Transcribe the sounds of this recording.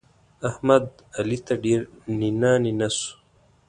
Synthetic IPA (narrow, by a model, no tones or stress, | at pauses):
ɐhmɐd̪ | ɐlit̪ɐɖeːɾ | ninaːninɐsu̥